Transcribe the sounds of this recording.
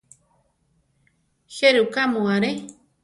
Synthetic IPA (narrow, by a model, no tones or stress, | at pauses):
xeɾukamũaɾe